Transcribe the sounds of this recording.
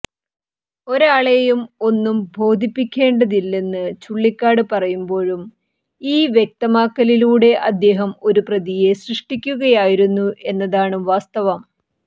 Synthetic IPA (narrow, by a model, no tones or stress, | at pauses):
o̞ɾaːɭejumo̞nːumbʱo̞ːd̪ʱipːikʲːe̞ːɳɖɐðilːe̞nːɨt͡ɕuɭːikːaːɽɨpɐrɐjumbo̞ːɻum | iːʋje̞k̚t̪ɐmaːkːɐliluːɽe̞ʔɐd̪ːe̞ːɦɐmo̞ɾuprɐðije̞srɨʂʈikʲːuɣɐjaːjiɾunːuʔe̞nːɐðaːɳɨʋaːst̪ɐʋɐm